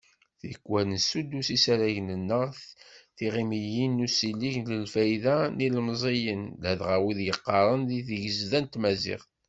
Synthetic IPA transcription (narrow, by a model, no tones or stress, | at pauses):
θkʷːwænəsud̪ːusisæɾæʝnənːəʁθθiʁimijinːusilːiʝləlfæjðænilmzˤijənlæðʁæwiðjəqːɑɾˤənðiθʝəzðænt̪mæzɪ̰ʁ